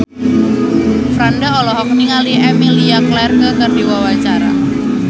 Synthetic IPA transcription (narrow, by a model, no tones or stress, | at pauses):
fɾandaɔlɔɦɔk̚niŋaliʔɛmiliaklɛrkəkərdiwawat͡ʃaɾa̰